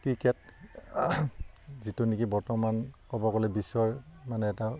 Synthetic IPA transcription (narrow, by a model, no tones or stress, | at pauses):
kikɛt̚ | zitunikibɔɹtɔmankɔbɔkɔlɛbisːɔɹmanɛːta